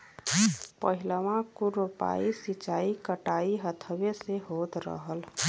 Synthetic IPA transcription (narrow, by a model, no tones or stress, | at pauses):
pəɦiləmãkuɾupa̰isit͡ʃaikəʈaiɦət̪ʰbeseɦod̪ɾə̰ɦəl